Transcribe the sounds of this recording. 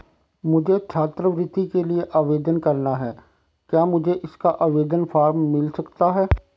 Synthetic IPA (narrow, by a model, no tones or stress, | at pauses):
mʊd͡ʒʱet͡ʃʰaːt̪ɾəʋɾɪd̪ikelieʔaːʋeːd̪ənkɐɾnaɦɛː | kjaːmʊd͡ʒʱeʔɪskaʔaːʋeːd̪ənfaːɾmːɪlsɐkt̪aɦɛː